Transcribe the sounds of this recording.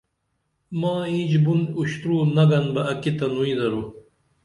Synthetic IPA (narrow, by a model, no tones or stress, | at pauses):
mãːĩːd͡ʑbunuɕt̪ɾuːnɐɡɐnbɐɐkit̪ɐnuĩd̪ɐɾu